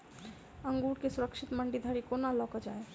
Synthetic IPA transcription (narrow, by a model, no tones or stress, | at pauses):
ə̃ŋɡuːɽkesʊɾəkʃɪt̪məɳɖid̪ʱəɾikonalɔːkəd͡ʒaːe